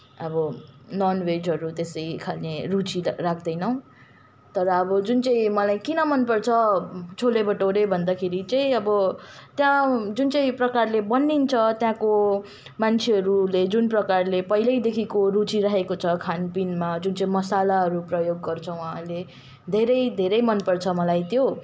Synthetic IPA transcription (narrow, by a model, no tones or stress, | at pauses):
ʌbʌnʌnwed͡zɦʌɾut̪esʌjkʰalnerut͡sirak̚ʰd̪ʌjnʌw̃ | t̪ʌɾʌːbʌd͡zunt͡saĩmʌlajkinʌmʌnpʌrt͡sʰʌt͡sʰolebʌʈoɾebʱʌnd̪akʰeɾit͡saĩʌbʌt̪jãd͡zunt͡sʌĩprʌkarlebʌnːint͡sʰʌt̪jãko | mant͡sʰeʌɾuled͡zunprʌkarlepʌilʌjd̪ekʰikorut͡siɾaɦekot͡sʰʌkʰanpinmad͡zunt͡saĩmʌsalaɦʌɾuprʌjoɡːʌrt͡sʰʌ̃w̃wãːle | d̪ʱeɾʌjd̪ʱeɾʌjmʌnpʌrt͡sʰʌmʌlajt̪jo